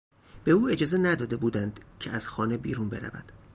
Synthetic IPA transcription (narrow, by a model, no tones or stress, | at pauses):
b̥e̞uːe̞d͡ʒɒːze̞næd̪ɒːd̪e̞buːd̪ænd̪̥cʰeʔæz̥xɒːnebiːɾunbe̞̰ɾæ̰væ̰d̪̥